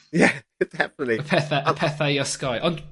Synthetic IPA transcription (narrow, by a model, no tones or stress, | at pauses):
jɛ | d̥ɛfənətˡliəpʰɛθaʔəpʰɛθaiɔskajʔɔ̃nd